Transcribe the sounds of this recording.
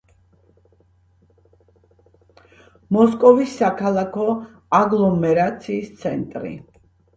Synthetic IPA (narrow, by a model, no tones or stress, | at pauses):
mɔskʼɔvisːakʰalˠakʰɔ | aɡlˠɔmɛɾat̪sʰiːst̪sʰɛnt̪ʼɾḭ